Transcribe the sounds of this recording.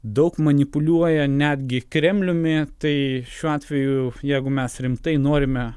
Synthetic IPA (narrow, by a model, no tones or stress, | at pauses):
d̪ɐʊkmɐnʲɪpʊlʲuɔjɛnʲæːd̪ʲɡʲɪkɾʲɛmʲlʲʊmʲɪt̪ɐɪʃʲuːɑːt̪ʲʋʲɛjʊjɛɪɡʊmʲɛsɾʲɪmt̪ɐɪnoːɾʲɪmʲɛ